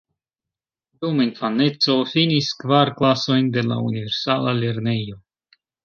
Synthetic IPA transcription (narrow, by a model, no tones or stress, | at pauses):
dumainfane̞t͡so̞finiskvaɾklaso̞jnde̞la̰unive̞ɾsalale̞ɾne̞jo̞